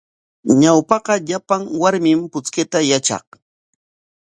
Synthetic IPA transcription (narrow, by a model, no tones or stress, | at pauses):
ɲawpɑqɑʎapaŋwaɾmɪmpʊt͡skɪt̪ajat͡ʃɑ̰χ